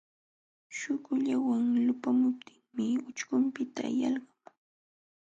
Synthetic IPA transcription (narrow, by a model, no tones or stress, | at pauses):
ʃʊkʊʎawaŋlʊpamʊp̚t̪ʰɪŋmɪʊt͡ʃkʊmpɪt̪a̰jɑlɢɑŋ